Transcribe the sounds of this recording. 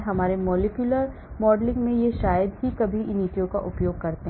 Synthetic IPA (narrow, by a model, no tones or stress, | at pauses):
ɦɐmaːɾemɔːlekjʊləɾ | mɔːɖlɪ̃ŋɡmẽjeʃaːjəd̪ɦikɐbʱiɪniːʈijõka̰ʔʊpjoːɡ̚kɐɾt̪eɦ